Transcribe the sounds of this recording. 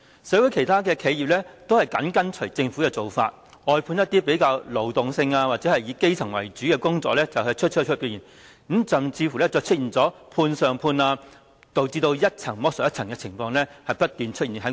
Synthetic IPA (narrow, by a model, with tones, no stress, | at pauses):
sɛː˨˥wu˨˥jkʰe˨˩jt̪ʰaː˥kɛː˧kʰe˨˧ji˨p̚lɛː˥t̪o˥whɐ˨jkɐ˨˥nkɐ˥nt͡ʃʰɵ˨˩jt͡sɪ˧ŋfu˨˥kɛː˧t͡so˨wfa̰ː˧t̚ | ɔː˧jpʰuː˧njɐ˥t̪̚iː˥pe˨˥jkaː˧wlo˨˩wt̪ʊ˨ŋsɪ˧ŋaː˧waː˨t̚t͡sɛː˨˥hɐ˨jjiː˨˧˥ke˥jt͡sʰɐ˨˩ŋwɐ̰˨˩jt͡ʃyː˨˥kɛː˧kʊ˥ŋt͡sɔ̰ː˧k̚lɛː˥t͡sɐ˨wɦɵ˨˧jt͡ʃʰɵ˥t̚t͡ʃʰɵ˥t͡ʃʰɵ˥piː˧˩jiː˨˩n | m̩˨˥sɐ˨mt͡sʰiː˧fuː˨˩lɛ˥t͡sɔː˨˧t͡ʃʰɵ˥t̚iː˨nt͡sɔː˨˥pʰuː˧nsœː˨ŋpʰuː˧naː˧ | t̪o˨wt͡siː˧t̪o˧wjɐ˥t̚t͡sʰɐ˨˩ŋmɔː˥sɔ˨˩jɐ˥tt͡sʰɐ˨˩ŋkɛ˧t͡sʰɪ˨˩ŋfɔː˧ŋlɛː˥hɐ˨jpɐ˥t̚t̪yː˨nt͡ʃʰɵ˥t̚i˨˩nɦɐ˨˥